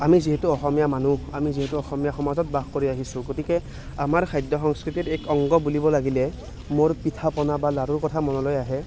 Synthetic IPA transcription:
amiziɦɛtuɔxɔmijamanuamiziɦɛtuɔxɔmijaxɔmazɔt̚baxkoɹiaɦisʊ̃ɡotikɛ | amaɹkʰajdɔxɔŋskɹititɛkɔŋɡɔbulibɔlaɡilɛ | moɹpitʰapɔnabalaɹuɹkɔtʰamɔnɔlojaɦɛ

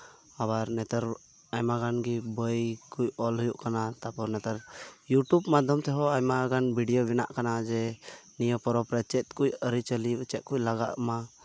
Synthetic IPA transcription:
abaɾnɛt̪əɾ | ajmaɡanɡibəjkujɔlɦujuʔkanat̪apɔɾnɛt̪əɾjuʈubmad̪ʱjɔmt̪ɛɦɔajmaɡanbʱiɖijobina̰ʔkanad͡ʒɛnijəpɔɾɔpɾɛt͡ʃɛt̪̚ˀkujəɾit͡ʃəlit͡ʃɛt̪̚kuʔlaɡaʔma

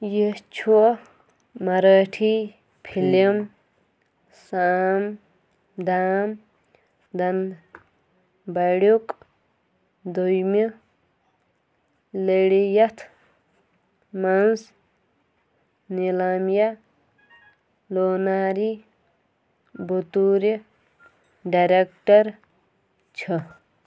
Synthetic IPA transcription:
jit͡ʃʰu | mɐɾaːʈʰi | pʰilim | saːm | d̪aːm | d̪ɐn | bɐɽukʼ | d̪ujmi | leɽijɐt̪ʰ | mɐns | nilaːmja | loːnaːɾi | but̪uɾe | ɖaɾek̚ʈɐɾ | t͡ʃʰʌ

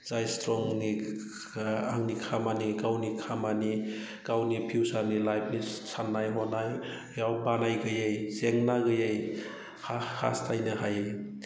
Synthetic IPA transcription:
z̥ajstɾɔŋni | aŋnikʰamanikawnikʰamani | kawnipʰiwsaɾnilajp̚nisanːajɦɔnaj | jawbanajɡɯjejzeŋnaɡɯjej | haha̰stʰajnɯɦaj

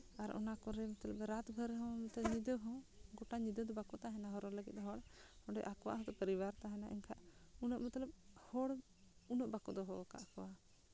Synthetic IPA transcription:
aɾɔ̰nakɔɾɛmət̪ləpɾat̪bʱəɾɦɔ̃mət̪ləɲid̪əɦɔ̃ɡɔʈaɲid̪əd̪ɔbakɔt̪aɦɛnaɦɔɾɔləɡɛ̰t̪̚ɦɔɽhɔ̃ɖɛ̰ʔakwa̰ɦɔt̪ɔpəɾibaɾt̪aɦɛna̰ʔḭɲkʰaʔunɔʔmət̪ləp̚hɔɽ | unɔʔbakɔd̪ɔɦɔka̰ʔakɔwa

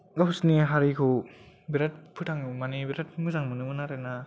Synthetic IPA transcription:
ɡapʰusniɦaɾikʰɯw | biɾat̚pʰɯtʰaŋɯmanibiɾat̚mɯzaŋmɯnɯmɯnaɾena

